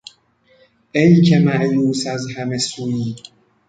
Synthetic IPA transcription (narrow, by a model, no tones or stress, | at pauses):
ʔejkʰemæʔjuːsæzhæmesuːjiː